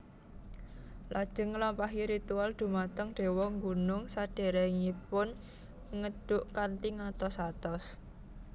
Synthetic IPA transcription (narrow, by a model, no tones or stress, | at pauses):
lʔad̥ʒ̥ə̤ŋːlɔmpaɦiɾit̪uald̪̥ṳmat̪əŋɖ̥e̤wɔŋɡunʊŋsad̥e̤ɾeŋipʊn | ŋəɖ̥ʊʔkant̪iŋat̪ɔsat̪ɔs